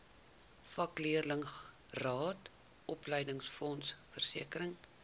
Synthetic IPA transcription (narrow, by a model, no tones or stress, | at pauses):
fɐkliərləŋ | rɑːt | ʔɔpləjdəŋsfɔnsfərsiəkəɾəŋ